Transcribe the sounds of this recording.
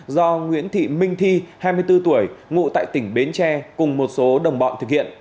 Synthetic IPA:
zɔ˧ŋwḭ˧˥ənt̪ʰḭ˧˨mï˧ŋ̟t̪ʰi˧haː˧jmɨ˧əjt̪ɨ˧t̪u˧˩əjŋṵ˧˨t̪a̰ː˧˨jt̪ï˧˩ŋ̟ɓe˨˦nt͡ɕɛ˧kʊ˨˩ŋ͡mmo˨˩t̚so˨˦ɗə˨˩wŋ͡mɓɔ̰˧˨nt̪ɨ˨˩k̚hḭ˧˨ən

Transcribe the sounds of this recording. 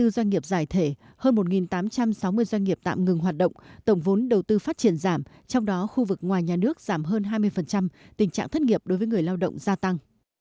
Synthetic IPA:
ɨ˧zwa˧jŋ̟ŋi˨˩əp̚zaː˧˩jt̪ʰe˧˩ | həː˧nmo˨˩t̚ŋi˨˩nt̪aː˨˦mt͡ɕa˧msa˨˦wmɨ˧əjzwa˧ŋ̟ŋi˨˩əp̚t̪a̰ː˧˨mŋɨ˨˩ŋɦwaː˨˩t̚ɗə̰˧˨wŋ͡mt̪ə˧˩wŋ͡mvo˨˦nɗə˨˩wt̪ɨ˧faː˦˥t̚t͡ɕi˧˩ənzaː˧˩m | t͡ɕɔ˧wŋ͡mɗɔ˨˦xu˧vɨ˨˩k̚ŋwaː˨˩jɲaː˨˩nɨ˦˥ək̚z̥aː˧˩mɦəː˧nɦaː˧jmɨ˧əjfə˨˩nt͡ɕa˧m | t̪ï˨˩ŋ̟t͡ɕa̰ː˧˨ŋt̪ʰt̚ŋi˨˩əp̚ɗo˨˦jvəː˨˦ŋɨ˨˩əjlaː˧wɗə̰˧˨wŋ͡mzaː˧t̪a˧ŋ

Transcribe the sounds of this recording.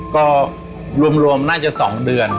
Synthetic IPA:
kɔː˥˩ | ɾu˧əmɾu˧əmnaː˥˩t͡ɕa˨˩sɔ̰ː˩˦ŋdɯ˧ən

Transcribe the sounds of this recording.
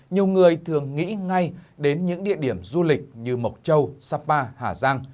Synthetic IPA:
ɲi˨˩əwŋɨ˨˩əjt̪ʰɨ˨˩əŋːḭ˧˥ŋa˧jɗe˨˦nɲɨ̰˧˥ŋɗḭ˧˨əɗi˧˩əmzu˧lï˨˩k̟̚ɲɨ˧mə˨˩wk͡p̚t͡ɕə˧wsaː˧paː˧haː˧˩zaː˧ŋ

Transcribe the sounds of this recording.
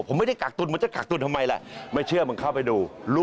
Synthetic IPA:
pʰo˨˦ma˥˩jda˥˩kaː˨˩k̚t̪u˧nm˧˦t͡ɕa˧˩kaː˨˩k̚t̪u˧nt̪ʰmːa˧jlɛ̰˧˩ʔma˥˩jt͡ɕʰɯ˥˩əmɯ˧nkʰa˥˩wpa˧jduː˧luː˦˥

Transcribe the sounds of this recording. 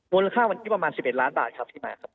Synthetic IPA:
mu˧la˧kʰaː˥˩wa˧nʰi˦˥pɾa˧maː˧nsp̚e˨˩t̪laː˦˥nbaː˨˩t̪̚kʰa˦˥p̚t̪ʰiː˥˩maː˧kʰa˦˥p̚

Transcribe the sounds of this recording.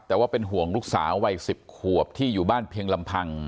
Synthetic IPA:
t̪ɛː˨˩waː˥˩pe˧nɦu˨˩əŋluː˦˥k̚sa̰ː˩˦wa˧jsi˨˩p̚kʰu˨˩əp̚t̪ʰiː˥˩juː˨˩baː˥˩npʰi˧əŋla˧mpʰa˧ŋ

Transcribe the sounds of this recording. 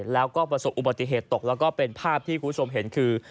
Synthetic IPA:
lɛː˦˥wkɔː˥˩pɾa˧so˨˩p̚ʔu˨˩ba˨t̪i˨˩ɦeː˨˩t̪ːo˨˩k̚lɛː˦˥wkɔː˥˩pe˧npʰaː˥˩p̚t̪ʰiː˥˩kʰuː˧pʰu˥t͡ɕʰo˧mɦe˩˦nkʰɯː˧

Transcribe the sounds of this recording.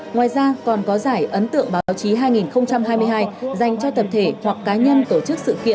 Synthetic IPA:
ŋwaː˨˩jzaː˧kɔ˨˩nkɔ˨˦zaː˧˩jʔə˨˦nt̪ɨ̰˧˨əŋɓaː˨˦˨wt͡ɕi˨˦ɦaː˧jŋi˨˩nxə˧wŋ͡mt͡ɕa˧mɦaː˧jmɨ˧ɦaː˧jza˨˩jŋ̟t͡ɕɔ˧t̪ə˨˩p̚t̪ʰe˧˩hwa˨˩kːaː˨˦ɲə˧nt̪o˧˩t͡ɕɨ˦˥k̚sɨ̰˧˨kḭ˧˨ə˨n

